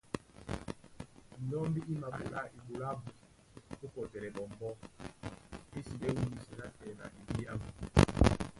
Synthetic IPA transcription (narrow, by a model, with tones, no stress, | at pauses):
dɔ˦mbi˦ʔi˦ma˨ɓu˨la̰˦ʔi˨ɓu˨la˦bu˨ | ko˦kɔ˨tɛ˨ɾɛ˨ɓɔ˨mbɔ˦ | i˦si˨ɓɛ˦wu˦ni˨sɛ˦na˦tɛ˨na̰˨ʔi˨bi˦a˦bu˨